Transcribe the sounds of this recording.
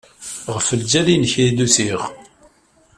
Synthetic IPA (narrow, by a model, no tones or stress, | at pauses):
ʁəfəld͡ʒælinçɾd̪usiʁ